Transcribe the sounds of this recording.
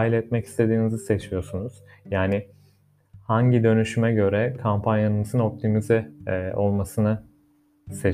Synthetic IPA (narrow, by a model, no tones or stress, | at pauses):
ilʲɛt̪̚mɛci̥st̪ʰe̞d̪iːnizise̞t͡ʃʰijo̞ɾsunuz̥jaːnɪ | haɲɟid̪ø̞nyʃymɛɟø̞ɾɛkʰampʰanjanɯmɯzɯno̞p̚t̪ʰimizɛo̞lˠmasɯna | se̞